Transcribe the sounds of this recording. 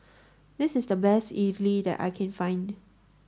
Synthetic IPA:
d̪ɪsɪsdəbɛstivlidɛ̰ta̰ɪkʰɛ̃nfãɪ̃nd

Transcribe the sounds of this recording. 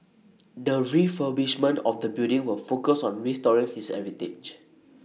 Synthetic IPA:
dəɹifəbliʃmə̃ntɔfdəbildɪ̃ŋwəfokəsɔ̃nɹistɔɹĩŋhisɛ̰vitḛd͡ʒ

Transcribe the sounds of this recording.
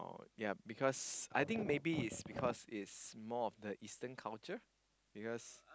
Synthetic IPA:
ja̰bikʰɔsa̰jt̪ɪ̃ŋk̚mebiɪtsbikʰɔsɪtsmɔɔfdəʔistə̃nkʰalt͡ʃə | b̥ikɔs

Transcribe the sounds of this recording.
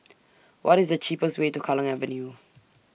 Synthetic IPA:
wʔɔtizdət͡ʃʰiːpəstweːtukʰɔlə̃ŋɛvənju

